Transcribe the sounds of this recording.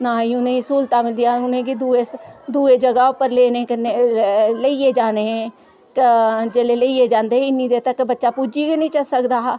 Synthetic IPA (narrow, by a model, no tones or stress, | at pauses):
naːiʊnẽːisuːlt̪aːmed̪ijaːʊnẽːɡid̪ued̪uːeːd͡ʒəɡaːʊpəɾleːnekneləieːd͡ʒaːneɦɛ̃ː | kd͡ʒeleːləieːd͡ʒãːnd̪eɪnːĩd̪eːt̪əkːbətːʃaːpuːd͡ʒikenĩt͡ʃəsəkd̪aː